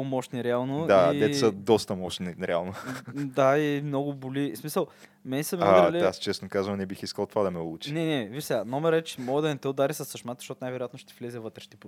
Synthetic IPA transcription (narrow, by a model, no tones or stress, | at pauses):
mɔʃniɾɛalˠnod̪ad̪ɛɛsɐd̪ɔst̪ɐmɔʃniɾɛa̰lˠnod̪aimnoɡʊbolismisəlˠ | mɛnɛsɐmɛɾliast͡ʃɛsnokazvɐnɛbixiskəlˠt̪vad̪ɐmɛlˠut͡ʃi̥nɛnɛviʃsɛɡanɔmɛɾɛt͡ʃɛ̥mɔɡəd̪ɐnɛt̪ɛʊd̪aɾisɐsːɐʃmat̪zɐʃt̪ot̪najvɛɾojat̪noʃt̪ɛflʲɛzʲɛvɤt̪ɾɛ̥ʃt̪ip